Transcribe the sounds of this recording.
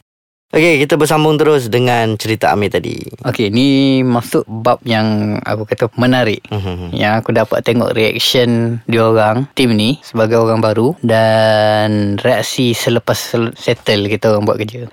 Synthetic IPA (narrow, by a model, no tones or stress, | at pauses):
ʔokekit̪abərs̬ambʊŋt̪əɾʊs̬dəŋant͡ʃəɾit̪aa̰mit̪adḭokenimaksʊʔ̚bap̚jaŋa̰kukat̪amənaɾɪʔja̰ŋakudapa̰t̪ːeŋɔ̰ʔriɛ̰k̚səndioɾaŋt̪ɪmnisəbaɡajoɾaŋbaɾudanreak̚sisələpasːɛt̪əlkit̪aoɣaŋbuaʔ̪̚kərd͡ʒə